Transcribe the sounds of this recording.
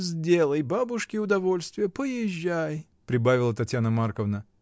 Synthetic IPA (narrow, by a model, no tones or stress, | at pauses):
zʲdʲe̞lˠəjbabʊʂkʲɪʊd̪ɐvo̞lʲst̪vʲɪjəpəjɪʑːaj | pɾʲɪbavʲɪlˠət̪ɐtʲjanəmarkəvnə